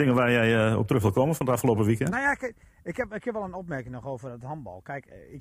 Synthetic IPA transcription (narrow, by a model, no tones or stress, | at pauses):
ɪŋənʋaːjɛjəɔ̰p̚trøxʋɪlˠkoːməfɔnətafxəloːpəʋikənojak | ɪkhɛpɪkjɪpʋɛlˠənɔp̚mɛrkɪŋnɔxowvərdɔthɔnbɔ̰lˠkɛjkɪ